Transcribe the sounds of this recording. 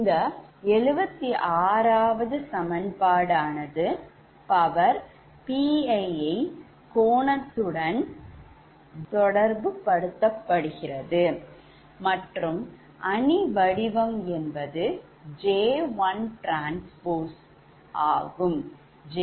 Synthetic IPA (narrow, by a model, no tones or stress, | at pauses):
ɪnd̪ɐɛɻɯbɐt̪ːiʔaːɾaːʋɐðɯsɐmɐnpaːɽaːnɐðɯ | pɐʋɐɾ | piːɐɪɐɪ | koːɳɐt̪ːɯɽɐn | t̪ɔɽɐɾbɯpɐɽɯt̪ːɐpːɐɽɯɣɪrɐðɯ | mɐʈrɯm | ʔɐniʋɐɽɪʋɐmɛnbɐðɯ | d͡ʒeːʋɐnʈɾaːnspoːs | ʔaːɣɯm | d͡ʒe